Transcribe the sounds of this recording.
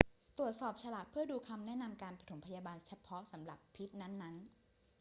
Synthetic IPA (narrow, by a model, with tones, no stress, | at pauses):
t̪u˨˩ət̪̚sɔː˨˩p̚t͡ɕʰa˧laː˨˩k̚pʰɯ˥˩ɐduː˧kʰa˧mnɛ˦˥na˧mkaː˧npɾa˧t̪ʰo˩˦mpʰa˧jaː˧baː˧nt͡ɕʰa˧pʰɔ˦˥sa˩˦mɾa˨˩pʰːi˦˥t̪̚na˦˥nːa˦˥n